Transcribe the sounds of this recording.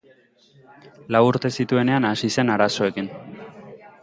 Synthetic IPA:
lawuɾt̪e̞sit̪ue̞ne̞anasise̞naɾaso̞e̞kin

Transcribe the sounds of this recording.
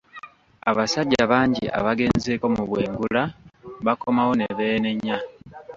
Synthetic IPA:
aβasaɟːaβaːɲɟḭʔa̰βaɡe̞ːnzeːko̞muβwe̞ːŋɡulaβako̞mawo̞ne̞βeːne̞ɲːa

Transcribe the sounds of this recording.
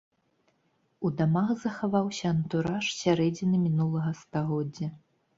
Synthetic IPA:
ud̪amaɣzɐxavawsʲɐɐnt̪uɾaʂsʲaɾɛd͡zʲinɨmʲinulˠɐɣɐst̪aɣɔd͡zʲːɐ

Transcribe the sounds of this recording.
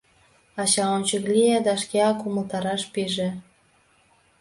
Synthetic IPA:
ɑɕɑonʲt͡ɕəklʲijed̪ɑʃkʲeɑkuməlt̪ɑɾɑʃpiʒĕ

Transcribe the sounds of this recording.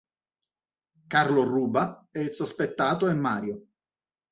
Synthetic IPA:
karloruːbaɛsospet̪ːaːt̪oemːaːɾjo

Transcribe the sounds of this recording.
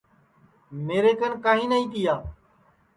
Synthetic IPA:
meːɾeːkənkaːɦĩːnəːĩːt̪ɪjaː

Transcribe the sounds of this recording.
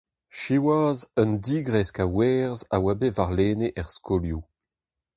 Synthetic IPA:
ʃiwazəndiːɡʁɛskawɛːʁzawabevaʁleːneʔɛʁskolju

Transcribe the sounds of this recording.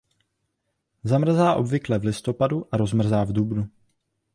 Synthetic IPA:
zamr̩zaːʔo̞bvɪklɛvlɪst̪o̞paduʔaɾo̞zmr̩zaːvdubnu

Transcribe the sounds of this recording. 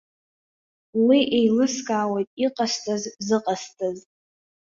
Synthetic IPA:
wiʔejlɨskʼaːwejtʼiqʼastʰʼazzɨqʼastʰʼaz

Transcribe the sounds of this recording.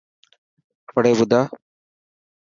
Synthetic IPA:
pəɽeːʋʊd̪aː

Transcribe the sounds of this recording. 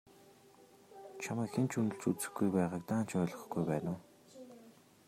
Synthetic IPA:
t͡ɕʰaməːkxent͡ɕʰɵnɵ̆ɬt͡suːt͡sɘ̆xɡujpæːʁaːk̚t̪aːn̥t͡ɕʰœːɮʁɞ̆ɞ̆χɡ̥ujpæːnʊː

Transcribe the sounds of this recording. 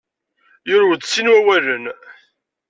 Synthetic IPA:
jʊɾuwd̪sinwæwælən

